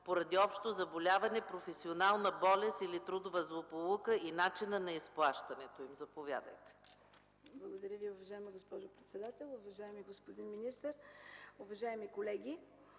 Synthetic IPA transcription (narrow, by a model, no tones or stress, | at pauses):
poɾɐd̪iɔpʃt̪ozɐbolʲavɐnɛpɾofɛsionalˠnəbɔlɛst̪ilit̪ɾud̪ovəzlˠopolˠukəinat͡ʃinənɐisplˠaʃt̪ɐnɛt̪oimzɐpovʲja̰d̪ə̰jt̪ɛ̥ | blˠɐɡod̪ɐɾʲəviʊvɐʒaɛməɡospɔʒʊpɾɛt̪sɛd̪at̪ɛlˠʊvɐʒaɛmiɡospod̪inminist̪əɾʊvɐʒaɛmikolɛɡʲi